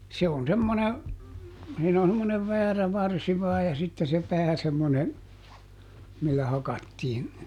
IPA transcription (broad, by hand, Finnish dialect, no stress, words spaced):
se on semːone siːn on semːoneʋ ʋæːræ ʋɑrsi ʋɑːj jɑ sitːe se pæː semːone milːæ hɑkɑtːiːn